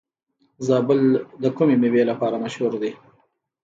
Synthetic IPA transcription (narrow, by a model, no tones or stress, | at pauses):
zɑbəld̪əkumemiwelapɑɾamaʃhuɾd̪e